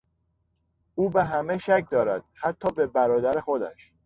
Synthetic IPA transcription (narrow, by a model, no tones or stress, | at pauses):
uːbeɦæmeʃæc̚ʰd̪ɒːɾæ̰d̪̥̚hæt̪ʰːɒːbe̞bæɾɒːd̪æɾexod̪æ̰ʃ